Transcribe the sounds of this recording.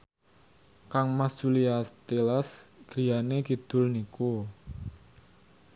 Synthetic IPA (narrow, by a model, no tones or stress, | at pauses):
kaŋmast͡ʃuliast̪elasɡ̥ɾijanekid̪̥ʊ̤lniku